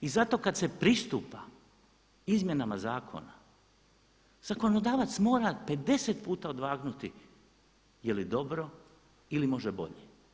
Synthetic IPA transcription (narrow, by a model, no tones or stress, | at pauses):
izat̪o̞kad̪se̞pɾist̪upa | izmje̞namazaːkʰo̞̰na | z̥ako̞nod̪aːʋat̪smo̞ːɾape̞d̪e̞set̪puːt̪aod̪ʋaːɡnut̪i | jelid̪o̞bɾo̞ | ilimo̞ʒebo̞̰ʎe